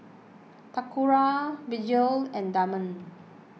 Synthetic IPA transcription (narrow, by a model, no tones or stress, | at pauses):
t̪akuɹavid͡ʒəlɛ̃ndamə̃n